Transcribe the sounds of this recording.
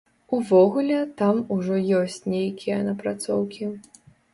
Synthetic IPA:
uvɔɣulʲɛt̪amuʐɔjɔsʲt͡sʲnʲejkʲijɐnɐpɾat̪sɔwkʲi

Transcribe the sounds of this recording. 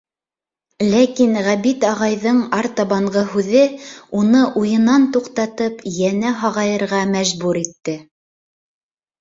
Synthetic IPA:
lækinʁæβit̪ɑʁɑjðɤɴɑɾt̪ɑβɑɴɢɤɦʉðɘunɤʔujɤ̆nɑnt̪uqt̪ɑt̪ɤpjænæɦɑʁɑjɤ̆ɾʁɑmæʒbuɾit̪ːɘ

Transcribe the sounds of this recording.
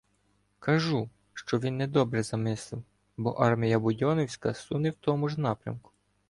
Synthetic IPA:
kɐʒu | ʃt͡ʃɔʋʲinːɛd̪ɔbɾɛzɐmɪslˠɪw | bɔ̰ʔɑrmʲijɐbʊdʲɔnɔwsʲkɐsunɪwt̪ɔmʊʒnɑpɾʲɐ̰mkʊ̥

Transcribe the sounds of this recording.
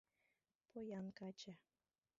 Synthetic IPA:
pojɑnkɑt͡ɕa

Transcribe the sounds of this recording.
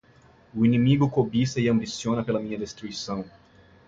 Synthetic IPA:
ʊinĩmiɡʊkobisɐiɐ̃mbisiõnɐpelɐmĩɲɐd̪est̪ɾuisɐ̃w̃

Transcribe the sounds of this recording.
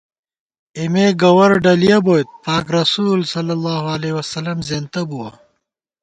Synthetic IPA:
imeɡɐwɐɾɖɐlijɐboːjt̪̚paːkɾɐsuːlsɐlːɐlːaːɦuɐlewɐsɐlɐmzent̪ɐbuwɐ

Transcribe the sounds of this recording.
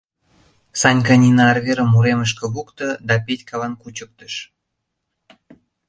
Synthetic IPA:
sɑnʲkɑnʲinɑɑrɣeɾəmːuɾeməʃ̬kə̆βukt̪ɤ̆d̪ɑpetʲkʰɑlɑnkut͡ɕək̚t̪ə̥ʃ

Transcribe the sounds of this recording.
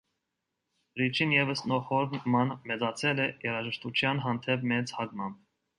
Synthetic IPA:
ɾit͡ʃʰinjɛvəsnɔχɔɾmɑnmɛt͡sɑt͡sʰɛlɛjɛɾɑʒəʃt̪ut͡ʃʰjɑnɦɑnt̪ʰɛp̚mɛt͡shɑɡmɑmp̚

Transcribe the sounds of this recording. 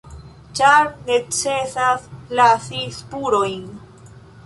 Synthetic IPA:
t͡ʃaɾne̞t͡se̞saslasispuɾo̞jn

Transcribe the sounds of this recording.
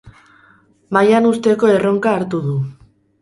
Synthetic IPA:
majanust̪e̞ko̞e̞ro̞ŋkaːɾt̪uð̞u

